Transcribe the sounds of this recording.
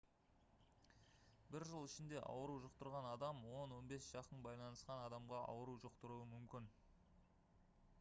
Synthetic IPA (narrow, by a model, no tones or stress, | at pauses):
bɪɾʒəlˠɪʃɪnd̪e̞ʔɑ̰wəɾuʒʊqt̪əɾʁɑnɑd̪ɑmwo̞nwo̞nbe̞sʒ̥ɑqənbɑjlˠɑnəsqɑnɑd̪ɑmʁɑʔɑ̰wəɾuwʒʊqt̪ʊɾuəmʏmkʲɪn